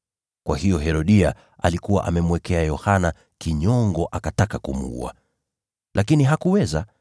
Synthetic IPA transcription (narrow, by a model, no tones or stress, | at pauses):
kwahijɔɦɛɾɔɗia | a̰likuwa̰ʔamɛmwɛkɛajɔhana | kiɲɔŋɡɔʔakatakakumṵṵa̰ | lʔakiniɦakuwɛza